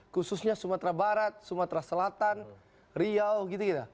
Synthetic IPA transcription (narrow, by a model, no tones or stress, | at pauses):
kususɲasumat̪ɾabaɾat̪̚sumat̪ɾasəlat̪an | ɾiawɡit̪ukit̪a